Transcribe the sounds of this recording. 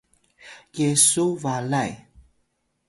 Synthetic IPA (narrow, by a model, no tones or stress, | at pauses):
jesuvalaj